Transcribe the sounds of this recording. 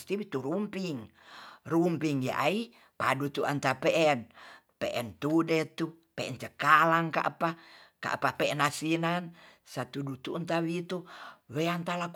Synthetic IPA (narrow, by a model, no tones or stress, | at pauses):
st̪iwit̪uɾumpiŋ | rumpiŋja̰ʔai | padut̪uʔa̰nt̪apɛʔɛn | pɛ̰ʔɛnt̪udɛt̪u | pɛʔɛnt͡ʃəkalaŋka̰ʔpaka̰ʔapapɛɛnasinansat̪udut̪unt̪awit̪uwɛant̪alak